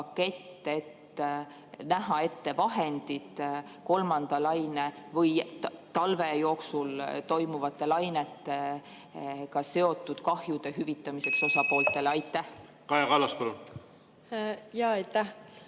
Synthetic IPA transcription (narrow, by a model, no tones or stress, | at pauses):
ɑkːe̞t̪ˑːe̞t̪ | næɦɑe̞t̪ːe̞vɑɦe̞nd̪̥id̪̥ko̞lmɑnd̪̥ɑlɑjnevɤjt̪ɑlve̞jo̞ːksult̪o̞jmuvɑt̪ːˑe̞lɑjnet̪ːe̞ | kɑse̞o̞t̪ːˑud̪̥kɑhjud̪̥e̞ɦyvit̪ːˑɑmise̞kso̞sɑpo̞ːlt̪ˑe̞leɑjt̪ːˑæh | kɑjɑkɑlɑskolu | jɑːɑjt̪ːæh